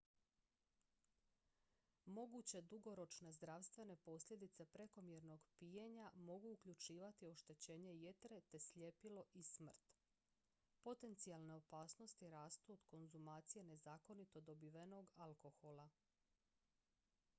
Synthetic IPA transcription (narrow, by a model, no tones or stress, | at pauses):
mo̞ɡut͡ɕe̞d̪uɡo̞ɾo̞t͡ʃne̞zd̪ɾaʋst̪ʋe̞ne̞po̞sʎʲe̞d̪it̪se̞pɾe̞ko̞mjeɾno̞ɡpijeɲamo̞ɡuːkʎʲut͡ʃiːʋat̪io̞ʃt̪e̞t͡ɕe̞ːɲe̞jet̪ɾe̞t̪e̞sʎʲepilo̞ʔismr̩t̪ | po̞t̪e̞nt̪sialˠne̞o̞paːsno̞st̪iɾaːst̪uod̪̥ko̞nzumaːt̪sije̞ne̞zaːko̞nit̪o̞d̪o̞biʋeno̞ɡalko̞xo̞lˠa